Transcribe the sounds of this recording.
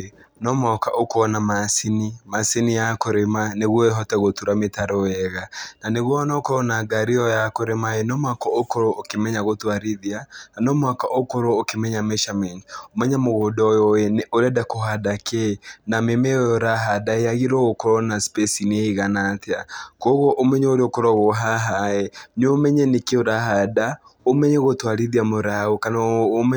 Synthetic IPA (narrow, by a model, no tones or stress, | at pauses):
nɔmɔkaʔokoɔnamasinimasinijakoɾemaneɣwɔeɦɔtɛɣotuɾametaɾɔjɛɣananeɣwɔːnaokɔɾɔnaɡaɾiɔjakoɾemaenɔmwakɔokoɾookemɛɲaɣotoaɾiðiananɔmwakaʔokoɾoːkemɛɲamɛʃamɛɲomɛɲamoɣodɔjɔɛnɛoɾɛdakoɦadakʰɛnamemɛɔjɔɾaɦadaeaɣiɾɔɣokɔɾɔnaspɛsineiɣanateakɔɣɔʔomɛɲɛoɾeokɔɾɔɣoɦaɦaɛnomɛɲɛnekeoɾahada | omɛɲɛɣotwaɾiðiamoɾaɣokanam